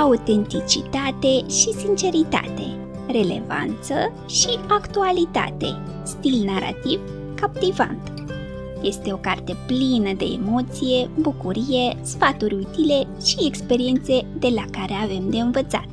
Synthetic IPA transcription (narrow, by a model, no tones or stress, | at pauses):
aut̪e̞nt̪it͡ʃit̪at̪e̞ʃisint͡ʃe̞ɾit̪a̰t̪e̞ | re̞le̞̰va̰nt̪sə | ʃiakt̪ualit̪a̰t̪e̞̰ | st̪ilnaɾa̰t̪iv | kap̚t̪iva̰nt̪ | je̞st̪e̞o̞kart̪e̞plinəd̪e̞̰ːmo̞t̪sije̞bukuɾije̞sfat̪uɾʲut̪ile̞ | ʃiekspe̞ɾie̞nt̪se̞d̪e̞lakaɾe̞ave̞md̪e̞ɨnvət̪sa̰t̪̚